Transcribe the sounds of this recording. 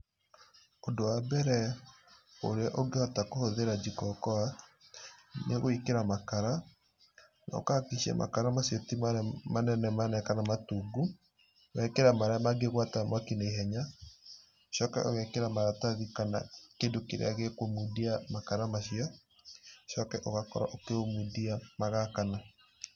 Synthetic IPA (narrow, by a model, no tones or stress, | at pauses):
ondowabɛɾɛ | oɾeaʔoɡehɔtakohoðeɾad͡ʒikɔkɔa | neɣoikeɾamakaɾa | nɔ̰kakiʃiɛ̰mʔa̰kaɾamasatimamanɛnɛmanɛkanamatuːɡu | ɣɛkeɾamaɾaamaɡeɣwatamwakineiɦɛɲa | ʃɔːkɛ̰ʔɔɣɛkeɾamaɾataðikana̰kendokeɾḛaɣekomudiamakaɾamaʃia | ʃɔkɛʔɔɣakɔ̰ɾa̰ʔokeomudiamaɣakana